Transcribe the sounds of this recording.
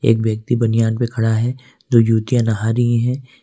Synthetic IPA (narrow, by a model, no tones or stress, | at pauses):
ḛːkbjɐk̚t̪ibɐnijaːnpekʰɐɽaɦɛ | d̪oːd͡ʒuːt̪ijãnɐɦaːɾiẽɦɛ̃